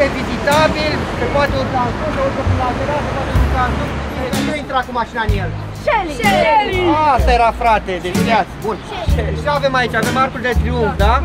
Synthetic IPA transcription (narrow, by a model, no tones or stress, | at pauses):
evizit̪abilsepoat̪eut̪at̪useoɾsəfind̪aveɾasepat̪euk̪ant̪uet̪ineuajint̪ɾakumaʃinanjel | ʃelieaast̪aje̞ɾafɾat̪e̞d̪evineat̪sbun | eʃiave̞mait͡ʃave̞markurd̪et̪ɾiuɱfd̪a